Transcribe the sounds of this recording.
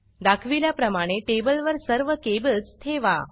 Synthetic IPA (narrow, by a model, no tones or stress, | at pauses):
d̪akʰʋiljapɾəmaɽ̃eʈebəlʋəɾsəɾʋəkebət͡st̪ʰeʋa